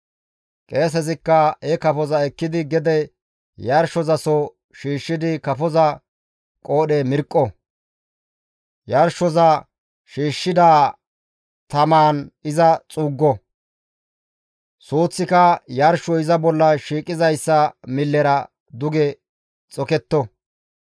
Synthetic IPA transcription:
kʼe̞ːs̬ɛzɪkːɐhɛkɐfɔzɐɛkːɪd̪ɪɡɛd̪ɛ | jɐɾʃɔzɐsɔ | ʃiːʃːɪd̪ɪkɐfɔzɐ | kʼoːɗɛmɪɾkʼːɔ | jɐɾʃɔzɐ | ʃiːʃːɪd̪aː | t̪ɐmaːnɪzɐt͡sʼuːɡːɔ | suːt͡sːɪkɐjɐɾʃːɔɪzɐbɔlːɐʃiːkʼːɪzɐjsːɐmɪlːɛɾɐ | d̪ʊɡɛ | t͡sʼɔkɛt̪ːɔ

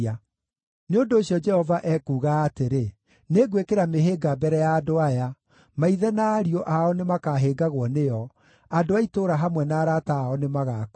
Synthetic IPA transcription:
a | neondoːɕjɔd͡ʒɛhɔvaʔɛkuːɣaːteɾe | neɡwekeɾameɦeːɡabɛɾɛjaːdoaja | maiðɛnaːɾiɔʔaɔnemakaɦeːɡaɣwɔnejɔ | adoaitoːɾaɦamwɛnaːɾataːɔnemaɣaːk

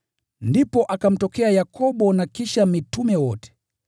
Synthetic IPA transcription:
ndipɔʔakam̩tɔkɛajakʰɔbɔnakiʃamitumɛwɔtɛ̥

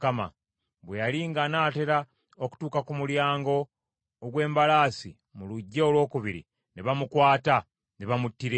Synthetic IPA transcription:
kama̰ | βwejaliŋɡanaːte̞ɾa | oku̥tuːkakumuljaːŋɡo̞ː | ɡwe̞ːmbalaːsḭ | muluɟːeolwo̞ːkuβiɾḭ | neβamukwaːta | neβamutːiɾe

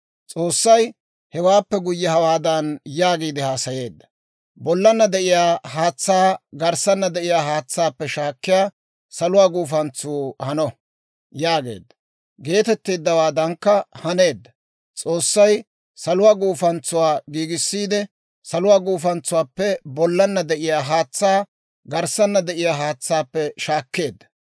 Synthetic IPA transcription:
t͡sʼo̞ːsːɐj | hɛwaːpːɛɡʊjːɛhɐwaːd̪ɐnjaːɡiːd̪ɪhaːsɐje̞ːd̪ːɐ̥ | bɔlːɐnːɐd̪ɛʔɪjaːhaːt͡sːaːɡɐɾsɐnːɐd̪ɛʔɪjaːhaːt͡sːaːpːɛʃaːkːɪjaː | sɐlʊwaːɡuːfɐnt͡suːhɐnɔ | jaːɡe̞̰ːd̪ːɐ̥ | ɡe̞ːt̪ɛt̪ːeːd̪ːɐwaːd̪ɐŋkːɐhɐne̞ːd̪ːɐ | t͡sʼo̞ːsːɐj | sɐlʊwaːɡuːfɐnt͡sːʊwaːɡiːɡɪsːiːd̪ɛ | sɐlʊwaːɡuːfɐnt͡sːʊwaːpːɛbɔlːɐnːɐd̪ɛʔɪjaːɦaːt͡sːaː | ɡɐɾsɐnːɐd̪ɛʔɪjaːɦaːt͡sːaːpːɛʃaːkːe̞ːd̪ːɐ̥

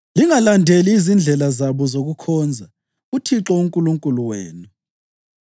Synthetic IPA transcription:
liŋalandʱeliːzind͡ɮʱɛlazaβɔzoɣukʰɔːnd͡zʱa | utʰiǁɔuŋkʼuluŋkʼuluwḛːnu

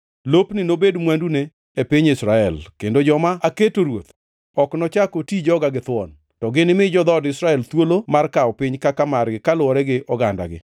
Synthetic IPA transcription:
lopnɪnobedmwandune | epɪɲɪsɾaɛlkendod͡ʒɔmaaketoɾwot̪ | ɔknɔt͡ʃakotid͡ʒɔɡaɡɪt̪ʊɔn | tɔɡɪnɪmɪd͡ʒɔd̪ɔdɪsɾaɛlt̪wolomarkaɔpɪɲkakamarɡɪkalʊɔɾɛɡɪʔɔɡanda̰ɡɪ̰

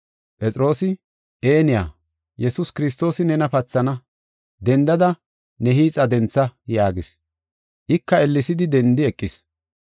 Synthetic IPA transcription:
pʼɛt͡sʼɪɾo̞ːsɪ | ʔeːnɪja̰ː | jɛsʊskɪɾɪs̬t̪o̞ːsɪnɛnɐpɐt͡sːɐnɐ | d̪ɛnd̪ɐd̪ɐ | nɛɦiːt͡sʼɐd̪ɛnt͡sːɐjaːɡɪs | ʔɪkːɐɛlːɪsɪd̪ɪd̪ɛnd̪ɪɛkʼːɪs

